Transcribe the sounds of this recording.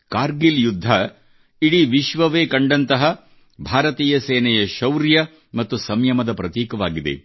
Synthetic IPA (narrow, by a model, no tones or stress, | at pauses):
kaːɾɡiljud̪ʱːɐ | iɽiʋiʃʋɐʋeːkɐɳɖɐnt̪ɐɦɐ | bʱaːɾɐt̪iːjɐseːnɛjɐʃɐwɾjɐ | mɐt̪ːusɐmjɐmɐd̪ɐpɾɐt̪iːkɐʋaːɡid̪ḛ